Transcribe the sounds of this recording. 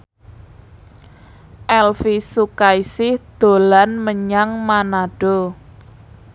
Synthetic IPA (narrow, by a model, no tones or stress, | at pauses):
ʔɛlfisukaisɪhd̪̥o̤lanməɲaŋmanaɖ̥o̤